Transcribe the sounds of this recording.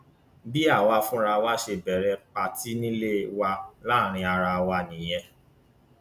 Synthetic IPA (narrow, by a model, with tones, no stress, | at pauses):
bi˦a˦˨wa˧fũ˦ɾa˧wa˦ʃe˧bɛ˨ɾɛ˧k͡pa˧ti˦nĩ˦le˦wa˧la˦˨ɾ̃ĩ˧a˧ɾa˧wa˧nĩ˨j̃ɛ̃˧